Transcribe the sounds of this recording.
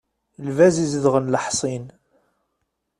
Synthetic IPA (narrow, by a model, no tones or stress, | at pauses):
lvæziziðʁənləħsˤin